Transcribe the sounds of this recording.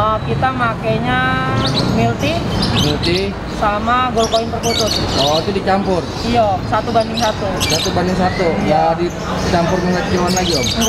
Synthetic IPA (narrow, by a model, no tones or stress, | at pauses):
əkit̪amakajɲa | milt̪imilt̪i | samaɡɔlkoɪnp̪ərkut̪ʊt̪̚ɔit̪udit͡ʃampʊr | ijasat̪ubandɪŋsat̪usat̪ubandɪŋs̬at̪ujadi | t͡ʃampʊrməŋat̪̚t͡ʃəwanlad͡ʒɔmɡ